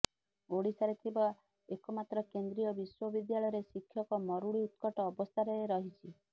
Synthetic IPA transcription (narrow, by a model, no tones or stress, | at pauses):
oɽisaɾet̪ʰiba | ekɔmat̪ɾɔkend̪ɾijɔbiswɔbid̪jaɭɔjɔɾesikʰːjɔkɔmɔɾuɭiut̪kɔʈɔːbɔst̪ʰaɾeɾɔɦit͡ʃʰi